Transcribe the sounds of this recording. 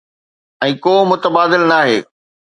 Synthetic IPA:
ɛ̃ːkoːmʊt̪əbaːd̪ɪlnaːɦḛː

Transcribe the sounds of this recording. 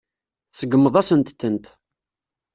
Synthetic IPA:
θsəɡəmːəðˤæsənt̪θənt̪

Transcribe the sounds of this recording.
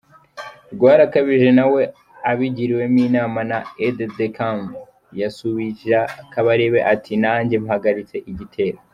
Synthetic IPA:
ɾɡwaːɾakaβiʒe̞nawe̞ | aβiɟiɾiwe̞miːnaːmanaeddekam | jasuβiakaβaɾewe̞ʔatʰinaːɲɟe̞mhaɡaɾit͡se̞ʔiɟitʰe̞ːɾo

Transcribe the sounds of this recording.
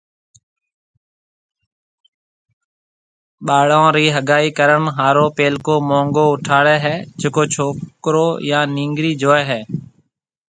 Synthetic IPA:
ɓaːɽãːɾiːɦəɠaːiːkəɾəɳɦaːɾoːpeːlkoːmõːŋɡoːʊʈʰaːɽɛːɦɛːd͡ʒeːkoːt͡ʃʰoːkɾoːjãːnĩːŋɡɾiːd͡ʒoːɛːɦɛː

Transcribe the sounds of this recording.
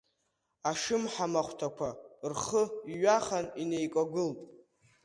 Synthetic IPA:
aʂɨmħamaχʷtʰakʷʰarχəiɥaχaninejkʷʼaɡɨlpʼ

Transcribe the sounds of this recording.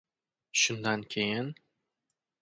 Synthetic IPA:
ʃʊnd̪ankʲʰejɪn

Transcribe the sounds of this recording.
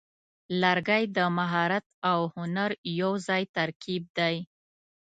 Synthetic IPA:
laɾɡajd̪əmaɦɑɾat̪̚awhʊnaɾjawzɑjt̪aɾkib̚d̪aj

